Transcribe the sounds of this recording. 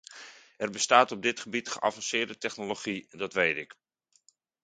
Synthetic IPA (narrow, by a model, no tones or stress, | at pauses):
ɛrbəstaːtɔb̚dɪtχəbitχəʔa̰vɑnsɪːɹdətɛχnoloχidɑtʋejtɪk